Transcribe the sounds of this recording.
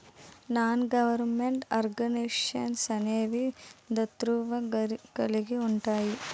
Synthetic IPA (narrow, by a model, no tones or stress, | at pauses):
naːnɡɐʋɐɾmeɳʈaɾɡɐniʂɐnsɐneːʋid̪ɐt̪ɾuːʋɐɡɐliɡeuɳʈaːji